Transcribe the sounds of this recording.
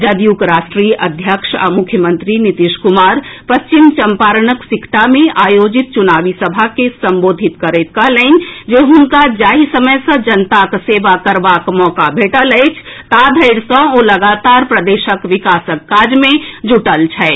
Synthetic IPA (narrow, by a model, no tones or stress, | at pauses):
d͡ʒəd̪ijukɾaːʃʈɾiʔəd̪ʱjəkʃa̰mʊkʰːjəmə̃nt̪ɾinit̪iʃkumaːɾpəst͡ʃimt͡ʃəmpaːɾnəksikʰt̪amẽʔaːjod͡ʒit̪̚t͡ʃunaːʋisəbʱakesə̃mboːd̪ʱit̪kəɾet̪̚kəɦleːnd͡ʒeɦʊnkad͡ʒaːɦisəməjsə̃d͡ʒənt̪akseʋakəɾʋakmɔːkabʱeːʈələɪt͡ʃʰt̪ad̪ʱəɪɽsə̃oləɡat̪aːɾpɾəd̪eːʃəkʋikaːsəkːaːd͡ʒmẽd͡ʒuʈəlt͡ʃʰɛ